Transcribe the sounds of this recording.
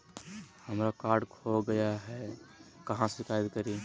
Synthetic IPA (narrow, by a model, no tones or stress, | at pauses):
həmɾakaːɾɖkʰoɡəjaɦɛkəɦãsɪkajt̪kəɾi